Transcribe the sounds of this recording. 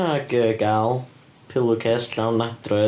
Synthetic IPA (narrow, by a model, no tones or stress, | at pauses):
aɡəɡaːlˠ | pʰɪlˠʊkʰɛstɬawnːad̪̥rɔɨ